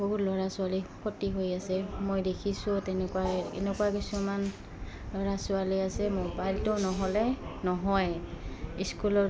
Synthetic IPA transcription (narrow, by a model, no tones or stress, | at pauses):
boɦutlɔɹasʊalipʰotiɦojasɛmojdekʰisʊtɛnɛkuwaɛɛ̰nɛkuwakisuman | lɔɹasʊaliasɛmobajltɔnɔɦɔlɛnɔɦɔj | iskulɔ